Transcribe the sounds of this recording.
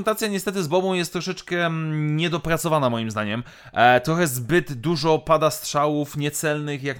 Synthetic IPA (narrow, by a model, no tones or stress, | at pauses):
ɛnt̪at̪sʲjaɲɛst̪ɛt̪̬ɘzbɔbɔ̃w̃jɛst̪ːɾɔʂɛt͡ʂkɛɲɛd̪ɔpɾat̪sɔvanamɔjimzd̪aɲɛm | t̪ɾɔxɛzbɘd̪d̪uʐɔpad̪ast̪ʂawufɲɛt̪sɛlnɘxjak